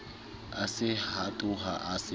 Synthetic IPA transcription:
asɪhatʼʊɦa̰ʔasɪ

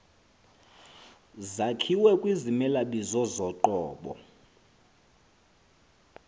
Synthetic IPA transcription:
zakʰiwɛkʼwizimɛlaɓizɔzɔǃɔːɓɔ̰

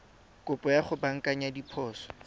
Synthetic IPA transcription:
kʼʊpʼɔjaχʊbaŋ̩kʼaɲadipʰɔːsɔ̥

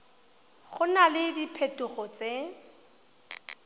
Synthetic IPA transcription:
ɣʊnalɪdipʰetʊɣɔt͡se

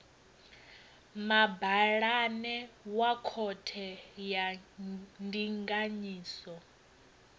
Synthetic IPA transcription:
mabaɺanɛwakʰɔtʰɛja | ndiŋɡaɲiːsɔ

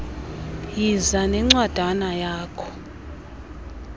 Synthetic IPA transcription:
jizanɛŋ͡ǀwad̥ʱanajaːkʰɔ̥

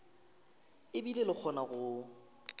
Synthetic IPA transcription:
ɪbilelɪk͡xʰɔnaɣʊ

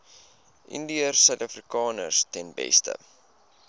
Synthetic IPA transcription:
ʔḭndiərsœɥtɐfrikɑːnərstɛnbɛ̰stə̰

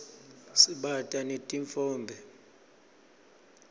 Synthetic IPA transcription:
siɓatʼanetʼiɱfɔːnbʱɛ

